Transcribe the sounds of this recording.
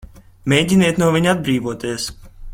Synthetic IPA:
mʲeːjɟʲinɛt̪nuɔviɲad̪̚bɾiːvuɔt̪iɛs

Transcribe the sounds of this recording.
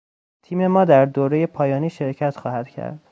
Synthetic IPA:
t̪ʰiːme̞mɒːd̪æɾd̪oːɾe̞je̞pʰɒːjɒːniːʃe̞ɾcʰæt̪xɒːhæd̪̥cʰæ̰ɾd̪̥

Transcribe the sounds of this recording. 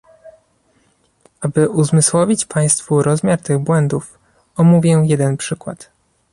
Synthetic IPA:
ʔabɘʔuzmɘswɔvʲit͡ɕpʰaj̃st̪fuɾɔzmʲjaɾt̪ɘɣbwɛnd̪uf | ɔmuvʲjɛjɛd̪ɛnpʂɘkwa̰t̪

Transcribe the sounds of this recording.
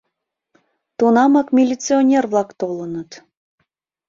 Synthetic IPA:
t̪unɑmɑkmʲilʲit͡sionʲerβlɑkt̪olənət̪

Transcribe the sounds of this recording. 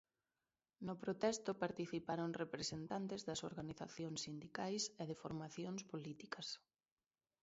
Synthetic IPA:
nʊpɾot̪ɛst̪ʊpaɾt̪iθipaɾoŋrepɾesent̪ant̪ɪzðɐso̰ɾɣaniθa̰θjoŋsːind̪ikajseðɪfoɾmaθjoŋspolit̪ikɐs

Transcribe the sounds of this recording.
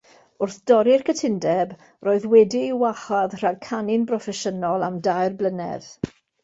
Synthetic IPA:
ʊrθd̥ɔɾɪrkʰətʰɪndɛb | roːɨðwɛdiːwaχaðr̥aɡ̚kʰanɪnbrɔfɛʃənɔlˠamdajrblənɛ̰ð

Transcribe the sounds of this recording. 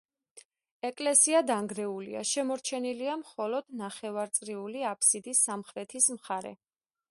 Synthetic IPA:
ɛkʼlɛsiad̪aŋɡɾɛulḭa̰ʃɛmɔɾt͡ʃʰɛniliamχɔlɔd̪̥naχɛvaɾt̪sʼɾiuliapʰsid̪isːamχɾɛt̪ʰismχaɾɛ̰

